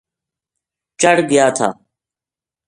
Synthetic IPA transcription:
t͡ʃəɽɡɪjaːt̪ʰa̰ː

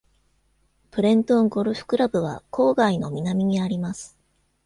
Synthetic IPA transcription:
pɯ̟ɾẽ̞nt̪õ̞ŋɡo̞ɾɯ̟ɸɯ̟̥kɯ̟ɾabɯ̟β̞a̰kʰo̞ːɡaino̞mʲinamʲiɲ̟iaɾʲimasɨ̥

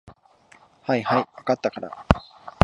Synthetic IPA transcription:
haihaiβakat̪ːakaɾa̰

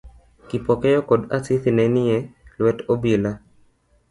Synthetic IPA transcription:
kipɔkɛjɔkɔd̪asit̪inɛnɪɛlwɛtobila

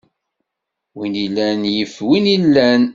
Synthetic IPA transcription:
winilːænjəfwinilːæn

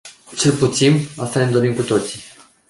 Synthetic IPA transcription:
t͡ʃelput̪sinast̪alemd̪o̞ɾimkut̪o̞t̪si̥

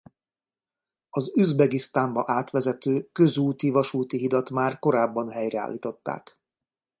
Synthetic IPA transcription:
ɒzyzbɛɡist̪aːmbɒʔaːt̪ʋɛzɛt̪øːkø̞zuːt̪ivɒʃuːt̪iɦid̪ɒt̪maːrko̞ɾaːbːɒnɦɛjrɛa̰ːlːiːt̪o̞t̪ːa̰ːk

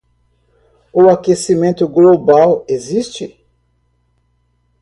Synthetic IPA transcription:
ʊakesimẽnt̪ʊɡlobawezist͡ʃɪ

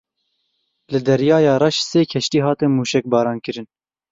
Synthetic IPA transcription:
lɨd̪ɛɾjɑːjɑːrɑʃseːkʰɛʃtiːɦɑːt̪ɨnmuːʃɛk̚bɑːɾɑːnkɨɾɨn

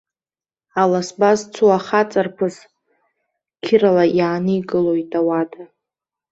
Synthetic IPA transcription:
alasbazt͡sʰuaχat͡sʼarpʰɨs | kʲʰɪɾalajaːnɨiɡɨlo̞jtʼawada

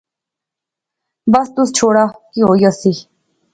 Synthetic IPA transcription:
bəst̪ʊst͡ʃʰoːɽaːkiɦoːiəsi

